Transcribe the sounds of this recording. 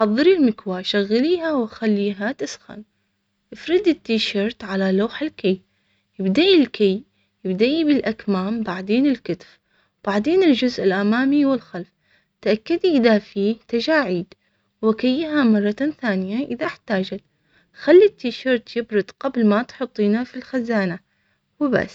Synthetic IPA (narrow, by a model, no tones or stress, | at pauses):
ħɑðˤːɨɾilmɪkwaʃaɣːaliːɦawɪxalːiːɦat̪ɪsxa̰n | ʔɪfɾɪd̪ɪt̪ːiːʃɑɾˤt̪ʕalalaːħɪlkaj | jɪbd̪aʔilkaj | jɪbd̪aʔibɪlʔakmaːmbaʕd̪eːnɪlkʊt̪f | b̥aʕd̪eːnɪld͡ʒʊzʔɪlʔamaːmiwɪlxalf | t̪ʔakːad̪iʔɪðafiːht̪ad͡ʒaːʕiːd̪ | wɪkajːɦamɑrˤːɑθaːnɪjaʔɪðaħt̪aːd͡ʒat̪ | xalːit̪ːiːʃɑɾˤt̪jɪbɾɨd̪qablmat̪ħʊt̪ˤːiːnafilxazaːna | wɪba̰sː